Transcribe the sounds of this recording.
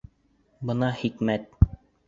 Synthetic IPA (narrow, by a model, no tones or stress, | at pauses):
bɤ̆nɑχikmæt̪̚